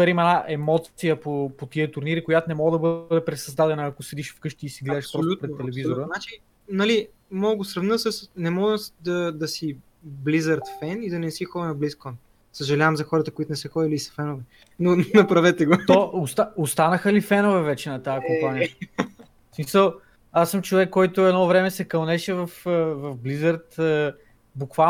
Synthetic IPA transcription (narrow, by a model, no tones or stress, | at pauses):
ɛɾimɐɛnaʔɛmɔt̪sijəpopot̪iət̪uɾniɾikojat̪onɛmɔɡəd̪ɐbəd̪ɛpɾɛsɐzd̪ad̪ɛnəːkosɛd̪iʃfkɤʃt̪iːsiɡlɛd̪ɛʃpɔlupɾɛt̪ːɛlɛvizoɾənat͡ʃi | nɐli | mɔɡosɾɐvnəsəsnɛmɔɡ̪d̪ɐd̪ɐsi | blizəɾt̪fɛnid̪ɐnɛsixɔd̪ənɐbliskɔn | səʒɐlʲavɐmzɐxɔɾət̪əkoit̪ʊnɛsɛxɔd̪iliːsɐ̥fɛnovɛ | nonɐpɾɐvɛt̪ɛɡot̪oʊst̪aost̪anəxəlifɛnovɛvɛt͡ʃɛnɐt̪ajəkompanijə | smisəlˠ | asːɤmt͡ʃovɛkːɔjt̪ʊɛd̪nɔvɾɛmɛsɛkɐlˠnɛʃɛvɐfəvɐfblizəɾt̪ə | bʊkva